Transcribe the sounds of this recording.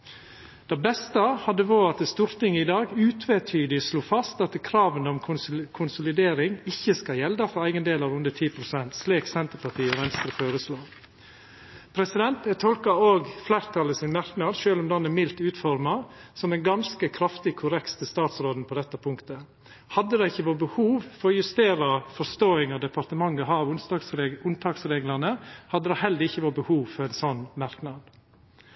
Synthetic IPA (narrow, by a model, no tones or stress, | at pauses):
d̪̥ɑbɛst̪əhɑd̪ːəʋoːɑt̪̚d̪əst̪uːɾt̪ɪŋːəɪd̪ɑːɡʉːt̪ʰʋet̪ʰyːd̪ɪsluːfɑst̪ɑt̪kʰɾɑːʋənəɔmʰkʰʊnsʊlɪd̪eːɾɪŋɪçːəskɑjɛld̪ɑfɔɾæɪɡənd̪eːlɑɾʉnd̪ət̪ʰiːpʰɾʊsɛnt̪sliːksɛnt̪əɾpɑʈʰiːɔʋɛnst̪ɾəføːɾəsloː | pʰɾɛsɪd̪ɛnt̪ɛt̪ʰɔlkɑoːɡflæːɾt̪ʰɑləsɪnmɑɾknɑd̪ʃøːlɔmd̪ɑnɛmɪlt̪ʉːt̪fɔɾmɑsɔmɛnɡɑnskəkʰɾɑft̪ɪkʰʊɾɛkt̪t̪ʰːɪlst̪ɑːt̪sɾoːd̪n̩pʰɔd̪ɛt̪ːəpʰʊŋkt̪ə | hɑd̪ːəd̪ɑɪçːəʋoːbəhuːʋfɔɾɔjʉst̪eːɾɑfɔɾst̪oːɪŋɑd̪ɛpɑɾt̪əmɑŋːəɦɑːʋʊnɑsʊnt̪ʰɑːksɾeːɡlɑnəhɑd̪ːəd̪ɑhɛld̪əɾɪçːəʋoːbəhuːʋfɔɾæɪnsɔnːmɑɾknɑd̪